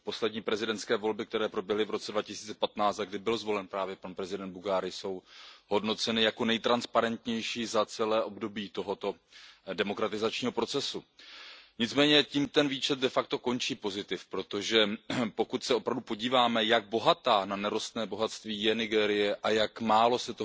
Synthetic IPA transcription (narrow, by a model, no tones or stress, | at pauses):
po̞slɛdɲiːpɾɛzɪdɛntt͡skɛːvo̞lbɪk̚t̪ɛɾɛːpɾo̞bjɛɦlɪvɾo̞t͡sɛdvacɪsiːt͡sɛ̥pat̪naːt͡st̪aɡdɪbɪlzvo̞lɛnpɾaːvjɛpanpɾɛzɪdɛnd̪̚buɡaːɾɪso̞wɦo̞dno̞t͡sɛnɪjako̞nɛjt̪ɾanspaɾɛnt̪ɲɛjʃiːzat͡sɛlɛːʔo̞bdo̞biːt̪o̞ɦo̞t̪o̞ | dɛmo̞kɾat̪ɪzat͡ʃɲiːɦo̞pɾo̞t͡sɛsu | ɲɪt͡smɛːɲɛciːmt̪ɛnviːt͡ʃɛt̪̚dɛfakt̪o̞ko̞nt͡ʃiːpo̞zɪt̪ɪfpɾo̞t̪o̞ʒɛpo̞kut̪sɛo̞pɾavdupo̞ɟiːvaːmɛjaɡ̚bo̞ɦat̪aːnanɛɾost̪nɛːbo̞ɦat̪st̪viːjɛnɪɡɛːɾɪjɛʔajakmaːlo̞sɛt̪o